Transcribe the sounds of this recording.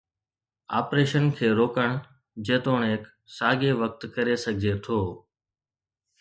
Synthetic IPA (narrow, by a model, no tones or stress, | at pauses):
a̰ːpɾeːʃənkʰeːɾoːkəɳ̃ | d͡ʑeːt̪oːɳ̃ɪk | saːɡeːʋək̚t̪kəɾesəɡʱd͡ʒeːt̪ʰoː